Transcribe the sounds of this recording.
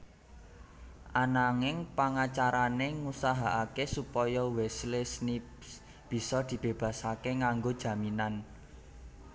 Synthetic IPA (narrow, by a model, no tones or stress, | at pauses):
ʔanaŋɪŋpaŋat͡ʃaɾaneŋusaɦaʔakesupɔjɔwɛslesnip | b̥i̤sɔd̪̥i̤b̥e̤b̥ä̤sakeŋaŋɡod̥ʒ̥ä̤minan